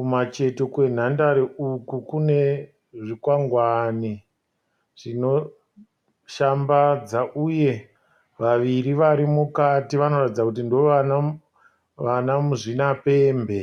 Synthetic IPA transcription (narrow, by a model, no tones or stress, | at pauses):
kumat͡ʃe̞to̞kwe̞n̤andaɾeukukune̞ | ʐikwaŋɡwani | ʐ̥ino̞ | ʃambad͡zaʔuje̞ | ʋaʋiriʋaɾimukatiʋano̞ratid͡zakutindoʋana | ʋanamuʐinape̞ːmbe̞